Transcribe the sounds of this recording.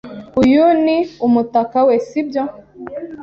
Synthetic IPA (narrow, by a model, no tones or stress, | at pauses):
ujuniumutakawɛsibjɔ